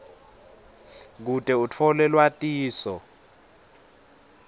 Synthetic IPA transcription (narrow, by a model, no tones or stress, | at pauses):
k̬utʼɛut͡fʰɔlɛlwatʼiːsɔ